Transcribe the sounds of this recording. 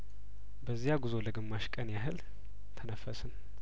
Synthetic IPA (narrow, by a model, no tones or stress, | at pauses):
bəzːijaɡuzo̞ləɡɨmːaʃkʼənjaɦɨl | t̪ʰənəfəsɨn